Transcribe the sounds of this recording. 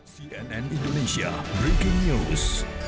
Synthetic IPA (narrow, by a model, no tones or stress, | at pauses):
siɛ̃nɛ̃nĩndoneʃia̰bɹekɪ̃ŋnus